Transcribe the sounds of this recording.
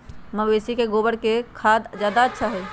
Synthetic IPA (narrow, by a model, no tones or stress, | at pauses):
məbeːsikeɡoːbəɽkekʰaːd̪d͡ʒjaːd̪aətːʃʰaɦoi